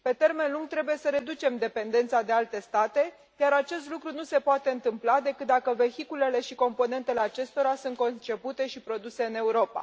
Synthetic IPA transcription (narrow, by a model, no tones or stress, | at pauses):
pe̞t̪e̞rme̞nluŋɡ̚t̪ɾe̞buje̞səɾe̞d̪ut͡ʃe̞md̪e̞pe̞nd̪e̞nt̪sad̪e̞alt̪e̞st̪at̪e̞ | jaɾat͡ʃe̞s̬t̪lukɾunuse̞poat̪e̞ɨnt̪ɨmplad̪e̞kɨt̪̚d̪akəve̞çikule̞le̞ʃiko̞mpo̞ne̞nt̪e̞le̞at͡ʃe̞st̪o̞ɾasunt̪̚ko̞nt͡ʃe̞put̪e̞ʃipɾo̞d̪use̞ɨne̞uɾo̞pa̰